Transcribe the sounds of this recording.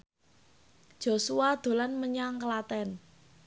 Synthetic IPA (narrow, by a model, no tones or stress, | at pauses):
d̥ʒ̥o̤suad̪̥o̤lanməɲaŋkəlat̪ɛn